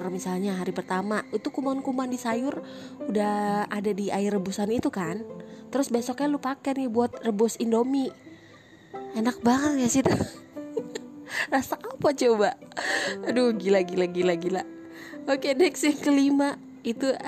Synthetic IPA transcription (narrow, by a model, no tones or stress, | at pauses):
rmisalɲaɦaɾipərt̪amait̪ukumankumandisajʊr | udahadadiaɪrəbusanit̪ukant̪əɾʊsbesɔk̚ɲalupakɛnibuat̪̚rəbʊsindomi | enak̚baŋət̪̚jasit̪u | rasaːpat͡ʃoba | doɡilaɡilaɡilaɡila | okedɛksŋkəlima | it̪u